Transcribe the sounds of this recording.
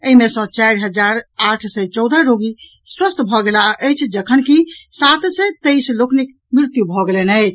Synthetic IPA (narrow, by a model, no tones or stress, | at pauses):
əimesə̃t͡ʃajɾɦəd͡ʒaɾaʈʰsət͡ʃɔwd̪ʱəɾoɡi | swəst̪ʰbʱɔɡelaəjt͡ʃʰd͡ʒəkʰənkisat̪səjt̪ejsloknik | mɾɪt̪jubʱɔɡelenət͡ʃʰ